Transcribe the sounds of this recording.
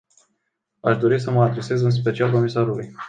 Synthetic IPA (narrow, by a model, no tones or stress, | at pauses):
aʃd̪o̞ɾis̬əməad̪ɾe̞se̞zɨns̬pe̞t͡ʃialko̞misaɾuluj